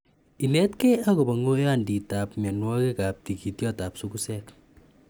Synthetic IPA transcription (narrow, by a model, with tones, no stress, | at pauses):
i˨nɛ˦tkea˦ko˨ba˨ŋo˦ja˦ndi˨ta˨pmɛ˨nwɔ˦ke˦ka˨p̚ti˨ki˨tjɔ˦ta˨psu˦kusɛk